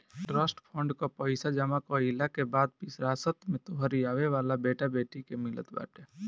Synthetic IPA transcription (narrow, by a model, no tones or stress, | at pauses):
ʈɾaːsʈpʰɔ̃ɳɖkapəɪsad͡ʒəmakoɪlakebaːd̪̚pɪsɾaːsət̪mẽt̪oɦəɾiaːʋeʋaːlabeːʈabeːʈikemɪlə̰t̪ba̰ːʈeː